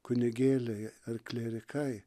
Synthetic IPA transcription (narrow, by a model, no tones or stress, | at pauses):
kʊnʲɪɡʲeːlʲɐjɐrklʲeːɾʲɪkʰɐj